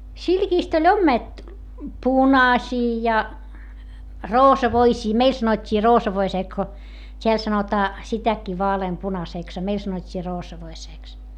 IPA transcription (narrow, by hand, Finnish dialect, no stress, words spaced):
silkiːst olʲ omːet punɑsʲiː jɑ roːsɑʋoisiː meil sɑnotʲːiː roːsɑʋoiseː ko tʲeæl sɑnotɑː sitækːiː ʋɑːleːmpunɑseˑks ɑ meil sɑnotʲːiː roːsɑʋoiseːks